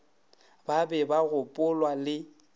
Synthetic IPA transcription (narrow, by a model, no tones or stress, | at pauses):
babɛbaɣʊpʼʊlwalɪ